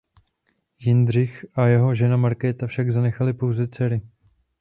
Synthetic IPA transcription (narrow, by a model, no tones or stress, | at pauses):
jɪnd̪r̝ɪxʔajɛɦo̞ʒɛnamaɾkɛːt̪afʃaɡzanɛxalɪpo̞wzɛt͡sɛɾɪ